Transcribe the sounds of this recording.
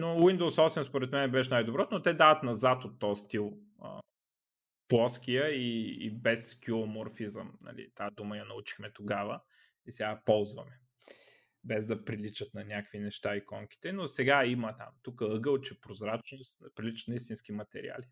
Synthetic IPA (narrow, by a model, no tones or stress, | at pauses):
nowind̪owsɔfsɛnspoɾɛt̪mɛnɛbɛʃɛnajd̪obɾɔt̪not̪ɛd̪avət̪nɐzat̪ot̪ːɔst̪ilˠ | ə̰ | plˠɔskijəḭːbɛskʲilˠomoɾfizə̰mnɐ̰lḭt̪ad̪uməjɐnɐut͡ʃi̥xmɛt̪oɡavə | isɛɡapɔlˠzvɐ̰mɛ | bɛzd̪ɐpɾilit͡ʃət̪nɐnʲakvinɛʃt̪aikɔŋk̟i̥t̪ɛnosɛɡaimət̪a̰mt̪ukəɤɡəlˠt͡ʃɛpɾozɾat͡ʃnosnpɾilit͡ʃət̪nɐist̪insk̟imɐt̪ɛ̰ɾḭa̰li